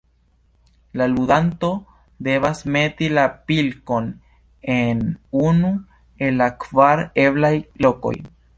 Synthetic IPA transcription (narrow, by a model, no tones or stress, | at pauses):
laludanto̞ | de̞vasme̞tilapilko̞n | enunu | e̞lːakvaɾe̞blajlo̞ko̞̰j